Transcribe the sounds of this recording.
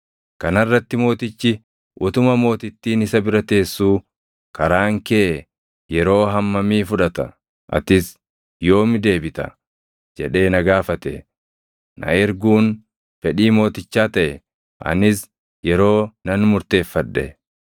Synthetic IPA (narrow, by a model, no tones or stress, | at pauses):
kɐnɐrːɐt̪ːɪmo̞ːt̪ɪt͡ʃːɪ | ʔʊt̪ʊmɐmo̞ːt̪ɪt̪ːiːnɪsɐbɪɾɐt̪e̞ːsːuː | kɐɾaːŋkɛʔɛ | jɛɾo̞ːɦɐmːɐmiːfʊᶑɐt̪ɐ̰ | ʔɐ̰t̪ɪs | jo̞ːmɪd̪e̞ːbɪt̪ɐ̰ | d͡ʒɛᶑe̞ːnɐɡaːfɐt̪ɛ | nʔɐ̰ɛɾɡuːn | fɛᶑiːmo̞ːt̪ɪt͡ʃːaːt̪ɐʔɛ | ʔɐ̰nɪs | jɛɾo̞ːnɐnmʊɾt̪e̞ːfːɐᶑːɛ̰